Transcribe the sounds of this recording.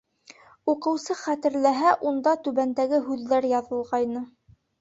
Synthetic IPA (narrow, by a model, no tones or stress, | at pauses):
uqɤ̆wsɤχæt̪ɘ̆ɾlæɦæʔund̪ɑt̪ʉβænd̪æɡɘɦʉðːæɾjɑðɤ̆lˠʁɑjnɤ